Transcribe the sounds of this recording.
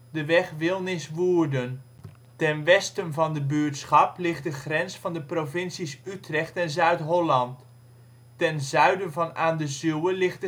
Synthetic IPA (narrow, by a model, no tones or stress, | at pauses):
dəʋɛχʋɪlˠnɪsʋuːəɹdən | tɛnʋɛstənvɑndəbyəɹtsχɑplɪχt̚dəχrɛnsfɑndəprovɪnsisytrɛχtɛnzœɥtɦɔlɑntː | ɛnzœɥdənvɑnaːndəzywəlɪχt